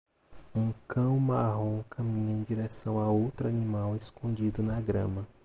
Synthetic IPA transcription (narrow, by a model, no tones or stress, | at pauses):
ũkɐ̃w̃maɦõkʰɐmĩɲɐẽd͡ʒiɾɛsɐ̃w̃aowt̪ɾʊanimaweskõd͡ʒid̪ʊnɐɡɾɐ̃mɐ